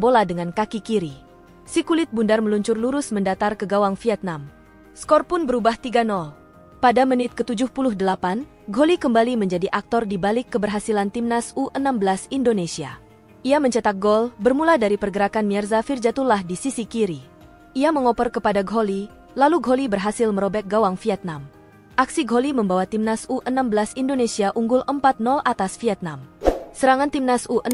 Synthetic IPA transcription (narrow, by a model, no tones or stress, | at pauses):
boladəŋankakikiɾi | sikulɪt̪̚bundarməluɲt͡ʃʊrluɾʊsməndat̪arkəɡawaŋfiɛt̪̚nam | skɔrpʊnbəɾubaht̪iɡanɔl | padamənɪt̪̚kət̪ud͡ʒʊhpulʊhdəlapan | ɡʱolikəmbaliməɲd͡ʒadiʔak̚t̪ɔrdibalɪkːəbərɦasilant̪imnasuʔənambəlasindonesia̰ | ʔiaməɲt͡ʃat̪ak̚ɡɔlbərmuladaɾipərɡəɾakanmiɛrzafird͡ʒat̪ulahdisisikiɾi | ʔiaməŋɔpərkəpadaɡʱoli | laluɡolibərɦasɪlməɾobɛk̪̚ɡawaŋfiɛt̪̚nam | ʔaksiɡoliməmbawat̪imnasuʔənambəlasindonesiaʔuŋɡʊlʔəmpat̪̚nɔlʔat̪asfiɛt̪̚namsəɾaŋant̪imnasuʔə